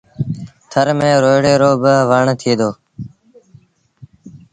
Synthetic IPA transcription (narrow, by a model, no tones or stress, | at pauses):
t̪ʰəɾmẽːɾoːjɽeːɾoːbəʋəɳt̪ʰiːd̪oː